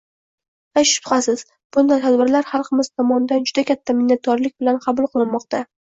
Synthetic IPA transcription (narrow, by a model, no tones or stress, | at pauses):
aʃʊ̥pχɑsɪz̥ | b̥ʊnd̪ajt̪ʰad̪bɪɾlaɾχɑlˠqʰɨmɪz̥t̪ʰɒmɒnd̪and͡ʒʊd̪akʲʰat̪ʰːamɪnːat̪̚kʰɒɾlɪkʲbɪlanqʰɑbʊlˠqʰɨlˠɪnmɒqt̪a